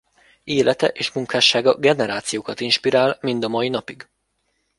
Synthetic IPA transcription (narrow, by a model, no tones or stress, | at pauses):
eːlɛt̪ɛʔeːʃmuŋkaːʃaːɡɒɡɛnɛɾaːt̪sijoːkɒt̪inʃpiɾaːlmind̪ɒmɒinɒpiɡ